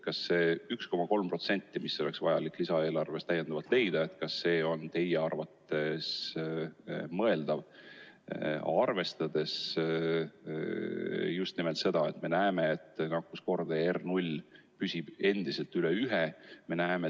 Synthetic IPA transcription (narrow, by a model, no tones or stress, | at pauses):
kɑsːe̞ːyksko̞mɑko̞lmpro̞t̪se̞nʲt̪ːˑimisːo̞le̞ksvɑjɑlikːˑlisɑe̞ːlɑrve̞st̪æjend̪ɑvɑlt̪le̞jd̪̥ɑe̞t̪kɑsːe̞ːo̞nt̪e̞jeɑrvɑt̪ːe̞s | mɤe̞ld̪̥ɑv | ɑrve̞st̪ɑd̪̥e̞s | just̪nimelt̪se̞d̪̥ɑe̞t̪me̞næeme̞ːt̪ːˑnɑkːusko̞rd̪̥eernulʲ | pysib̥e̞nd̪̥ise̞lt̪yleyɦeme̞næeme